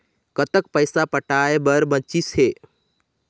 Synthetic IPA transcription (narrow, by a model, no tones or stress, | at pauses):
kət̪ək̚pəɪsapəʈaebəɾbə̃t͡ʃisɦe